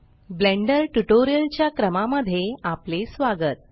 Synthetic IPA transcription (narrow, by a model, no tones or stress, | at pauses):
bleɳɖəɾʈuʈoɾijəlt͡ɕjakɾəmaməd̪ʱːjeaplesʋaɡət̪̚